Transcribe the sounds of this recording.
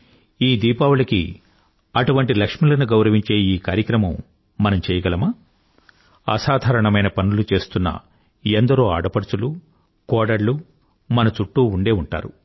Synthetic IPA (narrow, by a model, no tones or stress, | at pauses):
iːd̪iːpaːwulɐkḭ | ɐʈuʋɐɳʈilɐkʂmilɐnuɡɐwɾɐʋiɲt͡ʃe̞ːiːkaːɾjɐkɾɐmɐmː | ɐnɐmt͡ʃɛːjɐɡɐlɐma | ɐ̰saːd̪ʱaːɾɐɳɐmɐjnɐpɐnulut͡ʃe̞ːst̪unːɐ̰ | end̪ɐɾoːaːɽɐpɐɽut͡ʃulu | kɔːɽɐɾlu | mɐnɐt͡ʃuʈːuːuɳɖe̞ːuɳʈa̰ːɾṵ